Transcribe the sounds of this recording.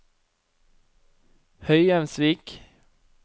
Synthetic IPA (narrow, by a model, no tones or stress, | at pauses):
hœʏjɛmsʋiːk